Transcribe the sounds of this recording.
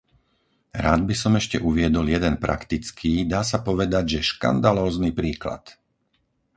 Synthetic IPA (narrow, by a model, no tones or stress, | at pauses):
ɾaːd̪̚bisɔmɛʃcɛʔuʋɪɛd̪ɔljɛd̪ɛnpɾa̰kt̪it͡skʰiːd̪aːsapɔʋɛd̪aɟʒɛʃka̰nd̪alɔːznipɾiːkla̰t̪